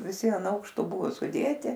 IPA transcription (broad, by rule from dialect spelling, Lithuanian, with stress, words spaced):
ʋʲɪˈsʲɪ ɐn ˈɐʊkʃtoː ˈbʊʋoː sʊˈdʲeːtʲɪ